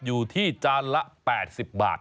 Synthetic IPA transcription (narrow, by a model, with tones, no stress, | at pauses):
juː˨˩t̪ʰiː˥˩t͡ɕaː˧nla˦˥pɛː˨˩t̪̚si˨˩p̚ba̰ː˨˩t̪̚